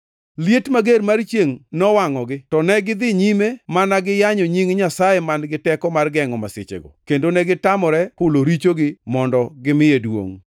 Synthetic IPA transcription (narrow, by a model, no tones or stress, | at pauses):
ljetmaɡeɾmart͡ʃjeŋnɔwaŋɔɡɪtɔnɛɡɪd̪ɪɲimemanaɡɪjaɲɔɲiŋɲasajemanɡɪtɛkɔmarɡɛŋɔmaset͡ʃḛɡɔ̰kendonɛɡɪtamɔɾɛhʊloɾit͡ʃoɡɪmɔndɔɡɪmɪjedwo̰ŋ